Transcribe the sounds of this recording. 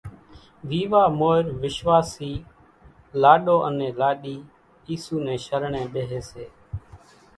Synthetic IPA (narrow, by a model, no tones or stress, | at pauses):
ʋiːʋaːmoːɪɾʋɪʃʋaːsiː | laːɗoːʔənẽːlaːɗiː | iːsuːnẽːʃəɾɳẽːɓeːɦeːseː